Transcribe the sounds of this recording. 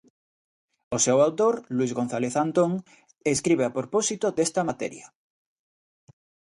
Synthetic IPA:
osewawt̪oɾluizɣon̟θaleθant̪oŋ | eskɾiβ̞eapɾoposit̪od̪est̪amat̪ḛɾja

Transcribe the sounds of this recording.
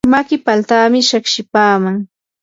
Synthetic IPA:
makɪpalt̪aːmɪʃakʃɪpaːmaŋ

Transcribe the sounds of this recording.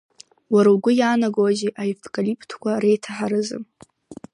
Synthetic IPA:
waɾawɡʷʊjaːnaɡwaʒeʔaiftʰʼkʼalipʰʼtʰkʷʰaɾejtʰaħaɾɨzɨ̰m

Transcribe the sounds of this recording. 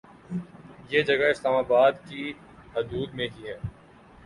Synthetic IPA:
jeːd͡ʒɐɡaɪslaːmaːbaːd̪ki | ɦʊd̪uːd̪mẽɦiɦɛː

